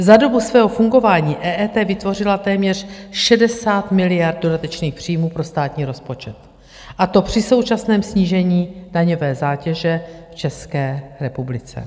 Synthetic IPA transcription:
zado̞busvɛːɦo̞fuŋɡo̞vaːɲiːʔɛːʔɛːt̪ɛːvɪt̪vo̞r̝ɪlat̪ɛːmɲɛr̝̥ʃɛdɛsaːt̪mɪlɪjaɾd̪̚do̞dat̪ɛt͡ʃniːxpr̝̥iːjmuːpɾo̞st̪aːt̪ɲiːɾo̞spo̞t͡ʃɛt̪ | ʔat̪o̞pr̝̥ɪso̞wt͡ʃasnɛːmsɲiːʒɛɲiːdaɲo̞vɛːzaːcɛʒɛft͡ʃɛskɛːɾɛpublɪt͡sɛ̰

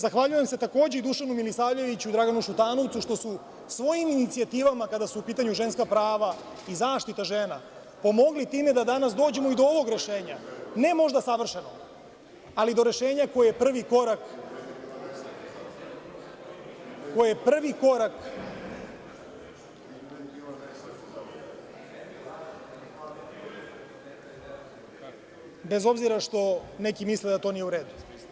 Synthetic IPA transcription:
zaxʋaʎujemse̞t̪ako̞ːd͡ʑeid̪uʃanumilisaːvʎe̞ʋit͡ɕud̪ɾaɡanuʃut̪aːno̞t̪uʃt̪o̞su | sʋo̞jiminit̪siat̪iːʋamakad̪asuːpiːt̪aɲuʒe̞nskapɾaːʋa | izaːʃt̪it̪aʒeːna | po̞mo̞ɡlit̪iːme̞d̪ad̪anas̬d̪o̞ːd͡ʑe̞moid̪ooʋo̞ɡɾe̞ʃe̞ːɲane̞mo̞ʒd̪asaʋr̩ʃeno | alid̪o̞ɾe̞ʃe̞ːɲako̞jeepr̩ʋiko̞ɾak | kojepr̩ʋiko̞ɾak | be̞zo̞bziɾaʂt̪o̞nekimisled̪at̪o̞ːnijeuɾeːd̪u

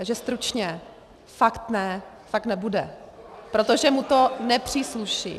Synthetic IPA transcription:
ʒɛst̪ɾut͡ʃɲɛ | fakt̪nɛ | fak̚t̪nɛbudɛ̰ | pɾot̪oʒɛmut̪o̞nɛpr̝̥iːsluʃḭ

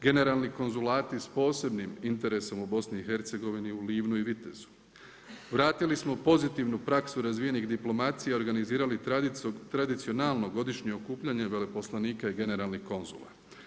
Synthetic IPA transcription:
ɡe̞ne̞ɾalˠniko̞nzulaːt̪ispo̞ːse̞bnimint̪e̞ɾe̞so̞mubo̞sniːxe̞ɾt̪se̞ɡo̞ʋiniuliːʋnuiʋit̪ezu̥ | ʋɾaːt̪ilismo̞po̞zit̪iʋnupɾaksuɾazʋije̞nixd̪iplˠo̞mat̪sijeo̞ɾɡaniziːɾalit̪ɾad̪it̪sio̞nalˠno̞ɡo̞d̪iʃɲeokuːpʎaɲeʋe̞le̞po̞slˠaniːkaiɡe̞ne̞ɾalˠnihko̞nzṵlˠa̰

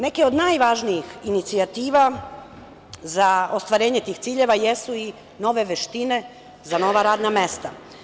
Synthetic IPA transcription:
ne̞keo̞d̪naːjʋaʒnijixinit̪siat̪iːʋa | zao̞st̪ʋaɾe̞ːɲe̞t̪iːxt̪siːʎe̞ʋaje̞sui | no̞ʋe̞ʋeʃt̪ine̞ | zano̞ʋaɾaːd̪name̞st̪a

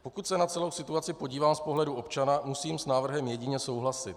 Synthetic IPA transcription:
po̞kut̪sɛnat͡sɛlo̞wsɪt̪uat͡sɪpo̞ɟiːvaːmspo̞ɦlɛduʔo̞pt͡ʃanamusiːmsnaːvr̩ɦɛmjɛɟɪɲɛso̞wɦlasɪt̪

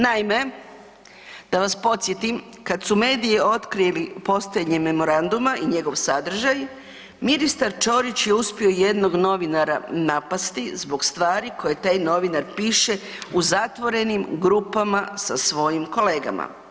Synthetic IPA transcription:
naime̞ | d̪̥aʋaspo̞t̪sjet̪im | kad̪sume̞ːd̪ijeo̞t̪kɾielipo̞st̪oed̪ɲeme̞mo̞ɾand̪umaʔiɲe̞ɡo̞ʋsad̪r̩ʒaj | minist̪aɾt͡ʃo̞ɾit͡ɕjeuspio̞je̞d̪no̞ɡno̞ʋinaɾa̰napast̪izbo̞ɡst̪ʋaːɾiko̞jet̪ajno̞ʋinaɾpiːʃe̞uzat̪ʋo̞ɾe̞nimɡɾupamasasʋo̞jimko̞leːɡa̰ma̰

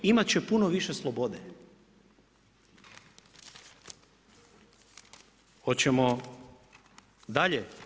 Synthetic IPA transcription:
imat̪̚t͡ɕepunoʋiʃeslˠobod̪e | xot͡ɕemo | d̪aʎe

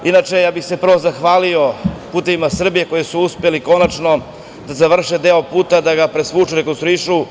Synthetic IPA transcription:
inat͡ʃe̞jaːbixse̞pr̩ʋo̞zaxʋaːlio̞puːt̪e̞ʋimasr̩bije̞ko̞jisuuspeliko̞nat͡ʃno̞ | d̪azaʋr̩ʂed̪eopuːt̪ad̪aɡapɾesʋut͡ʃuɾekonst̪ɾuiʃu

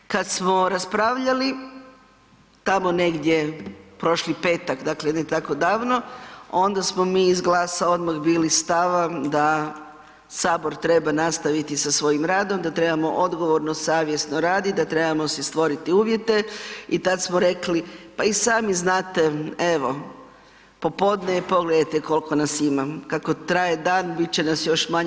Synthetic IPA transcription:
kad̪smo̞ɾaspɾaʋʎali | t̪amo̞ne̞ɡd̪jepɾo̞ʃlipe̞ːt̪akd̪aklenet̪ako̞d̪aːʋno̞o̞nd̪asmomiːzɡlˠaːsaod̪maɣbiːlist̪aʋad̪a | saːbo̞ɾt̪ɾe̞banast̪aʋit̪isasʋo̞jimɾaːd̪o̞md̪at̪ɾe̞bamo̞ʔo̞d̪ɡo̞ʋoɾnosaːʋje̞snoɾaːd̪id̪at̪ɾe̞bamo̞sɛst̪ʋo̞ɾit̪iuːʋjet̪e̞it̪ad̪smoɾe̞klipaisaːmiznaːt̪e̞e̞ʋo̞ | po̞po̞d̪nepo̞ɡled̪ajt̪eko̞lko̞nasimakako̞t̪ɾajed̪aːnbit͡ɕenasjo̞ʃmaɲ

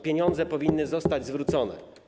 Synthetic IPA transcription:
pʲjeɲɔnd̪zɛpɔvʲinːɘzɔst̪ad͡ʑzvɾut̪sɔnɛ̰

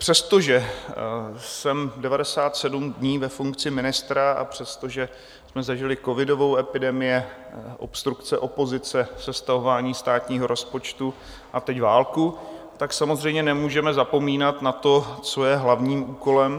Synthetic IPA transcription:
pr̝̥ɛst̪o̞ʒɛ | sɛmdɛvadɛsaːt̪sɛdumdɲiːvɛfuŋkt͡sɪmɪnɪst̪ɾaa̰pr̝̥ɛst̪o̞ʒɛ | smɛzaʒɪlɪko̞vɪdo̞vo̞wɛpɪdɛmɪjɛ | ʔo̞̰pst̪ɾukt͡sɛʔo̞po̞zɪt͡sɛsɛst̪aɦovaːɲiːst̪aːt̪ɲiːɦo̞ɾʔo̞spo̞t͡ʃt̪u | ʔat̪ɛcvaːlku | t̪aksamozr̝ɛjmɲɛnɛmuːʒɛmɛzapo̞miːnat̪nat̪o̞t͡so̞jɛɦlavɲiːmʔuːko̞lɛm

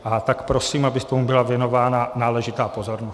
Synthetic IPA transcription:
ʔat̪akpɾosiːmabɪst̪omubɪlavjɛno̞vaːnanaːlɛʒɪt̪aːpo̞zo̞ɾnos

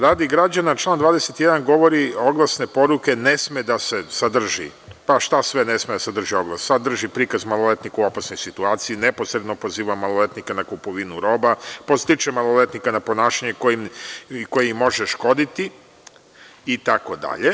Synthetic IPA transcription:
ɾaːd̪iɡɾad͡ʑanat͡ʃlˠand̪ʋaːd̪eset̪je̞d̪anɡo̞ʋo̞ɾio̞ɡlˠasne̞po̞ɾuke̞ne̞smed̪ase̞sad̪r̩ʒḭ | paʃt̪asʋe̞ne̞smed̪asad̪r̩ʒio̞ɡlˠassad̪r̩ʒipɾikazmalˠole̞t̪nikuo̞pasno̞jsit̪uaːt̪sijinepo̞sɾed̪nopo̞ziːʋamːalˠole̞t̪nikanakupoʋinuɾo̞ːbapost̪it͡ʃemalˠole̞t̪nikanapo̞naːʃaɲekojimko̞jeimo̞ʒeʃko̞d̪it̪i | it̪ako̞d̪a̰ʎe̞

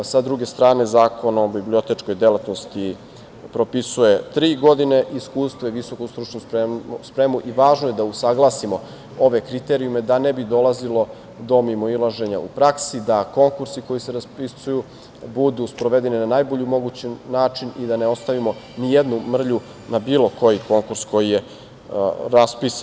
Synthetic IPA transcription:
sad̪ɾuɡe̞st̪ɾaːne̞zaːko̞nobiblio̞t̪et͡ʃko̞jd̪elat̪nost̪i | pɾo̞pisuje̞t̪ɾiːɡo̞d̪ine̞ʔiskuːst̪ʋoiʋiso̞kust̪ɾut͡ʃnuspɾespɾe̞muʔiʋaːʒnoje̞d̪ausaɡlˠasimo̞ | oʋe̞kɾit̪e̞ɾiume̞d̪anebid̪o̞lˠazilo̞ | d̪o̞mimoilaʒe̞ɲa̰ṵpɾaksid̪ako̞ŋkuɾsiko̞jiseɾaspisuju | bud̪uspɾo̞ʋe̞d̪e̞ninanaːjbo̞ʎimo̞ɡut͡ɕenaːt͡ʃinid̪aneo̞st̪aʋimo̞nijed̪numr̩ʎu | nabiːlo̞ko̞jiko̞ŋkuɾsko̞jije̞ | ɾaspisa

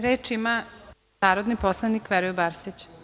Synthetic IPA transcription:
ɾeːt͡ʃima | aːɾod̪niposlˠanikʋeɾujebaɾsit͡ɕ

